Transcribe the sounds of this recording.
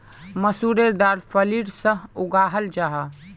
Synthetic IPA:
məsuɾed̪aːɾpʰəliɾsəɦʊɡaːɦəld͡ʒaːɦa

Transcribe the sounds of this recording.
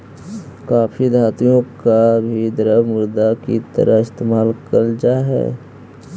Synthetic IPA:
kaːpʰid̪ʱaːt̪ijõkabʱid̪əɾəmʊɾd̪akit̪ə̰ɾʔəɦɪst̪eːmaːlkəɾd͡ʒaɦɛ̰ː

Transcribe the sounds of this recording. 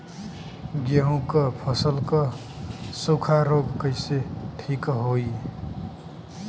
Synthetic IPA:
ɡjəɦũkʌpʰəsəlkʌ | sokʰaɾoɡkəɪseʈʰikɦoi

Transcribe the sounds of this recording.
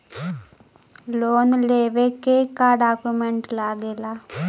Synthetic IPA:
loːnleːʋekːekaːɖaːkːumeɳʈlaːɡela

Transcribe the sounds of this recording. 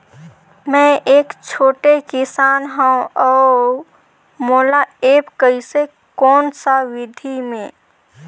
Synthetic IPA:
mɛ̃ʔeːkt͡ʃʰoːʈekɪsaːnɦəũɔː | moːlaeːpkəise | kɔːnsaʋɪd̪ʱimẽː

